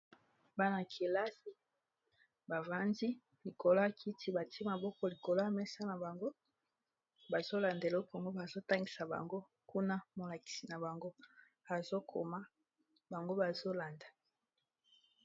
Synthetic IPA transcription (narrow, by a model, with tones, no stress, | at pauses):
ba˦na˨kʰi˨la˦si˦ | ba˨va˦ndi˦ | li˨ko˨la˦˨kʰi˦tʰi˦ba˨ti˦e˦ma˨bɔ˦kɔ˦li˨ko˨la˦˨mɛ˦sa˦na˨ba˨ŋɡo˦ | ba˨zo˦la˨nde˨lɔ˦kŋɡo˦ba˨zo˦ta˦ŋɡi˨sa˨ba̰˨ŋɡo˦ | ku˦na˦mo˨la˨ki̥˨si˨na˨ba˨ŋɡo˦ | a˨zo˦kʰo̰˨ma˦ | ba˨ŋɡo˦ba˨zo˦la˨nda˨